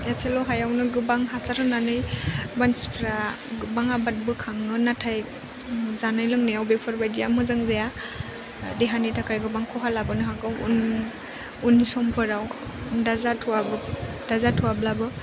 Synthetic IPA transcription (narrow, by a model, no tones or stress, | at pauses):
jaselɔɦajawnɯɡɯbaŋɦasaɾɯnanɯjbanspʰɾa | baŋabat̚bɯkʰaŋɯnatʰaj | zanajlɯŋnajawbepʰɔɾbajdijamɯzaŋzaja | deɦanitʰakʰajɡɯbaŋkʰɔɦalabɯnɯɦaɡɯwṵn | unːisɔmpʰɯɾaw | dazatʰuwabɯ | d̥azatʰuwablabɯ